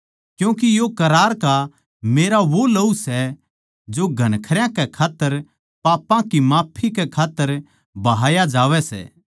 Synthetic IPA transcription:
kjũːkijokɐɾaːɾka | meːɾaʋolɐusɛ | d͡ʒoɡʱɐnkʰəɾjãkɛkʰaːt̪ːəɾ | paːpãkimaːpʰːikɛkʰaːt̪ːəɾ | bɐɦaːjad͡ʒaːʋɛsɛ̰ː

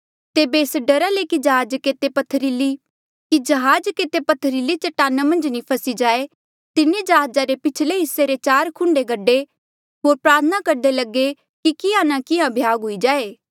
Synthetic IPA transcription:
t̪eːbeːsɖɐɾalekid͡ʒɐɦaːd͡ʒket̪epɐt̪ʰːəɾili | kid͡ʒɐɦaːd͡ʒkeːt̪epɐt̪ʰːəɾilit͡ʃɐʈaːnamɐ̃nd͡ʒnipʰɐsid͡ʒaːe | t̪ɪnẽd͡ʒɐɦaːd͡ʒaɾepɪt͡ʃʰleɦɪsːeɾet͡ʃaːɾkʰʊ̃ɳɖeɡɐɖːe | ɦoːɾpɾaːɾt̪ʰənakɐɾd̪elɐɡe | kikɪãnakɪãbʱjaːɡɦʊid͡ʒaːeː

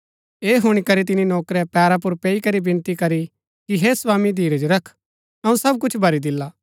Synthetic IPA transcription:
eːɦʊɽ̃ikɐɾit̪̬ɪninoːkɾɛpɛːɾap̬ʊɾpeːikɐɾibɪ̃nt̪ikɐɾi | kiɦeswãːmid̪ʱiːɾɛd͡ʒoɾɐkʰ | ɐũsɐb̚kʊt͡ʃʰbʱɐɾid̪ɪlːaː

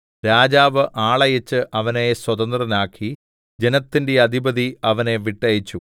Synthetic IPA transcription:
ɾaːd͡ʑaːʋɨʔaːɭɐjɐt͡ɕːɨʔɐʋɐneswɐd̪ɐnd̪rɐnaːkʰːi | d͡ʑe̞nɐt̪ːinde̞ɐd̪ʱibɐd̪iɐʋɐne̞ʋiʈːɐjit͡ɕːu

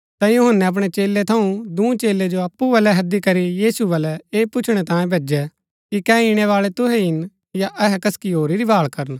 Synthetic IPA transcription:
t̪ãjuɦənːɛɐp̬ɽ̃ɛt͡ʃeːlːet̪ʰɐũd̪ũːt͡ʃeːlːed͡ʒoɐpːuʋɐlɛɦɐd̪ikɐɾijiːsuʋɐlɛeːpʊt͡ʃʰɽ̃ɛt̪ãːjẽbʱeːd͡ʒɛ | kikɛiɽ̃ɛʋaːɭɛt̪ʊɦɛɪn | jaʔɛɦɛkɐskiɦoːɾiɾibʱaːɭkɐɾən

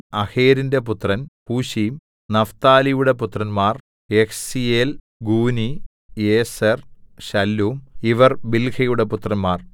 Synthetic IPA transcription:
ɐheːɾinde̞put̪rɐnpuːɕijm | nɐft̪aːlijuɽeput̪rɐnmaːr | ekʰsijel | ɡuːni | eːsɐrɕɐlːuːmiʋɐrbilkʰɐjuɽe̞put̪ːrɐnmaːr

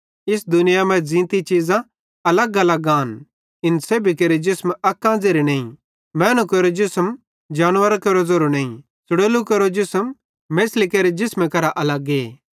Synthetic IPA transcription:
ɪs̬d̪ʊnɪjamɛ̃d͡zĩːt̪it͡ʃiːzã | ɐlɐɡɐlaɡãːn | ɪnseːbʱikeɾid͡ʒɪsmɐkːãːd͡zeɾineːĩ | mɛːnukɐɾod͡ʒɪsm | d͡ʒaːnʋəɾakɐɾozoɾonẽːĩ | sʊɽoːlukɐɾod͡ʒɪsəm | meːslikeːɾed͡ʒɪsmekɐɾaʔɐlɐɡeː

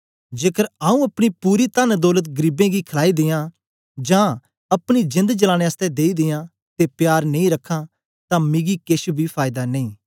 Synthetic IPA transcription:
d͡ʒeːkəɾaːũɐpɽ̃ipuːɾit̪and̪ɔːlət̪ɡəɾiːbẽːɡikʰəlaːid̪ɪjãː | d͡ʒãː | ɐpɽ̃id͡ʒɪ̃nd̪t͡ʃəlãːɽ̃ẽəst̪ɛd̪eːid̪ɪjãː | t̪epjaːɾnɐĩɾɐkʰːãː | t̪ãːmɪ̃ɡikeʃubʱipʰaːɪd̪anẽĩː

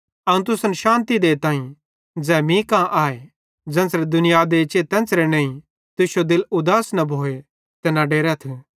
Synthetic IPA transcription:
ɐũt̪ʊsənʃãːnt̪id̪eːt̪ãːĩ | d͡zɛːmĩkãʔaːe | d͡zɛ̃ːnsɾed̪ʊnɪjad̪et͡ʃeːt̪ɛ̃ːnsɾenẽːĩ | t̪ʊʃjod̪ɪlʊd̪aːsnɐbʱoːe | t̪enaɖeːɾɛt̪ʰu

